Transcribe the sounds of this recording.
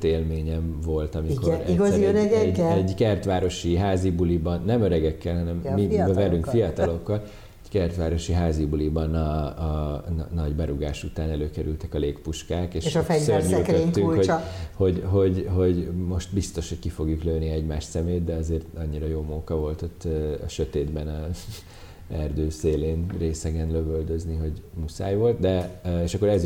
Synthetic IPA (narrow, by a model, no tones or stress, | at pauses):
t̪eːlmeːɲɛɱvo̞lt̪ɒmikoɾɛɡszɛɾøɾɛɡɛɟɛɛɟkɛrt̪ʋaːɾo̞ʃiɦaːzibulibɒnːɛmøɾɛɡɛkːɛlɦɒnɛmːibɛvɛlyŋkfijɒt̪ɒlo̞kːɒl | ɛɟkɛrt̪ʋaːɾo̞ʃiɦaːzibulibɒnɒ | nɒɟbɛɾuɡaːʃut̪aːnɛløːkɛɾylt̪ɛkɒleːkpuʃkaːkeːʃeʃɛsørɲːlk̪øːyŋho̞ɟho̞ɟɦo̞ɟɦo̞ɟmo̞ʃt̪bist̪o̞ʃho̞ckifo̞ɡjukløːniɛɟmaːʃsɛmeːt̪̚d̪ɛɒzeːrt̪ɒɲːiɾɒjoːmukɒvo̞lt̪o̞t̪ːɒ̰ʃøt̪eːd̪bɛnɒ | ɛrd̪øːseːleːnreːsɛɡɛnløvøld̪øzniɦo̞ɟmusa̰ːjvo̞lt̪d̪ɛeːʃɒkːo̞ɾɛz